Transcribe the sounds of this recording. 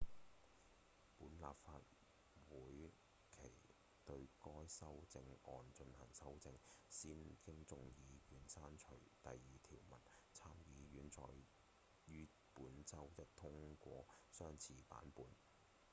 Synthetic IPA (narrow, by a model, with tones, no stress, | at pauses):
puː˨˥nla̰ː˨p̚faː˧t̚ | wuː˨˥j | kʰe˨˩j | t̪ɵ˧ɥkɔː˥jsɐ˥wt͡sɪ˧ŋɔː˨nt͡ʃɵ˧nhɐ˨˩ŋsɐ˥wt͡sɪ˧ŋsiː˥nkɪ˥ŋt͡sʊ˧ŋjiː˨˧jyː˨˩nsaː˥nt͡ʃʰɵ˨˩ɥt̪ɐ˨jːiː˨t̪ʰiː˨˩wmɐ˨˩nt͡sʰaː˥mjiː˨˧jyː˨˥nt͡sʰɔː˨˧j | jyː˥ | puː˨˥nt͡sɐ˥wt̪ɐ˥k̚t̪ʰʊ˥ŋkʷɔː˧sœː˥ŋt͡sʰiː˨˩pa̰ː˨˥npuː˨˥n